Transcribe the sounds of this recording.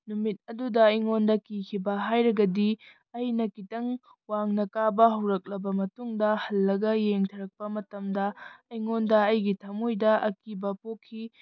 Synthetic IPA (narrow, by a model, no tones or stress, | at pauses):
numit̚ɐdudɐiŋondɐkikʰibɐɦajɾɐɡɐdi | ɐjnɐkitɐŋ | waŋnɐkabɐɦɐwɾɐk̚lɐbɐmɐtuŋdɐhɐlːɐɡɐjeŋtʰɐɾɐk̚pɐmɐtɐmdɐɐjŋondɐɐjɡitʰɐmojdɐʔɐkibɐpokʰːi